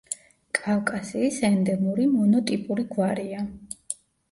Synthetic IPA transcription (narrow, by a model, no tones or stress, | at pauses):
kʼavkʼasiːsɛnd̪ɛmuɾimɔnɔt̪ʼipʼuɾiɡwaɾia